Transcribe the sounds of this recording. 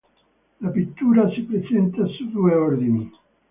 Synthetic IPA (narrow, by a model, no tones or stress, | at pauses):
lapit̪ːuɾasepɾesent̪asuðueoɾðini